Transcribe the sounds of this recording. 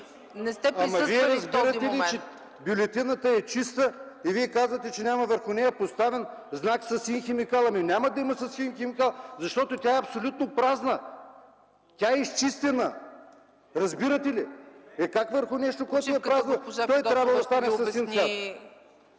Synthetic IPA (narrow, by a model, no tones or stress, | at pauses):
nɛst̪ɛɐmɐviɛɾɐzbiɾɐt̪ɛlit͡ʃɛ | bjʊlʲɛt̪inət̪əɛt͡ʃist̪əiviɛkazvɐt̪ɛt͡ʃɛnʲamɐvəɾxʊnɛjɐpost̪avɛn | znaksɐsinxɛmikalˠɐminʲamɐd̪ɐimɐsɐsxinxɛmikalˠzɐʃt̪ɔt̪ot̪ʲaɛɐpsolʲut̪̚nopɾaznə | t̪ʲaɛist͡ʃist̪ɛnə | ɾɐzbiɾət̪ɛliɛkakvəɾxʊnɛʃt̪okoɛt̪ʊɛpɾaznɐt̪ɔjt̪ɾʲabvɐd̪ɐst̪anɛsɐsinɛ